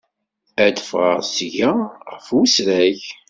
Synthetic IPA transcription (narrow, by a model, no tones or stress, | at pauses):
æd̪əfʁə̰ʁsʝæʁəfwusɾæç